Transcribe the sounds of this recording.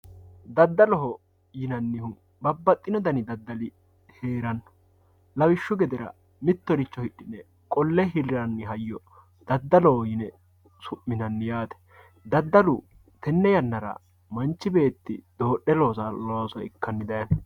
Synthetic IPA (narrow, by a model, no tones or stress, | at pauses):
d̪ɐd̪ːɐlɔɦɔ | jɪnɐnːɪhʊ | bɐbːɐt̪ʼːɪnɔd̪ɐnɪd̪ɐd̪ːɐlɪ | he̞ːɾɐnːɐ | lɐwɪʃːʊɡɛd̪ɛɾɐ̰ | mɪt̪ːɔɾɪt͡ʃːɔhɪɗːɪnɛ | kʼɔlːɛɦɪlɾɐnːɪɦɐjːɔ | d̪̥ɐd̪ːɐlɔhɔjɪnɛ | sʊʔːɪnɐnːɪjaːt̪ɛ̥ | d̪ɐd̪ːɐlʊ | t̪ɛnːɛjɐnːɐɾɐ̰ | mɐnt͡ʃːɪbe̞ːt̪ːɪ̰d̪̥o̞ːɗːɛloːsɐloɐsɔɪ̰kːɐnːɪd̪ɐjɐn